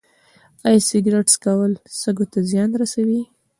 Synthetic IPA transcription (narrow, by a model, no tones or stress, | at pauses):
ɑjsɪɡɾeʈskawəlsəɡot̪azjɑnɾasawi